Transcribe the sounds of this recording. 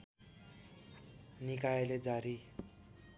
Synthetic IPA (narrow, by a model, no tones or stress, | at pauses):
nikajeled͡zaɾi